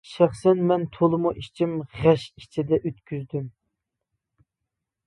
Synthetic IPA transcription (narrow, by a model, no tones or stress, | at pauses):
ʃæχsɛnmɛnt̪ʰolˠɨmuʔit͡ʃʰimʁæʃit͡ʃʰid̪ɛʔøt̪̚kʲʰyzd̪ym